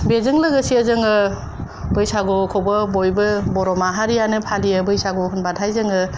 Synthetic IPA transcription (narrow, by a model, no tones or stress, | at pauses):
bezɯŋlɯɡɯsiəzɯŋɯ | bɯjsaɡɔkʰowbɯbojbɯbɔɾɔmaɦaɾijanɯpʰalijɯbɯjsaɡɔɦɯnbatʰajzɯŋɯ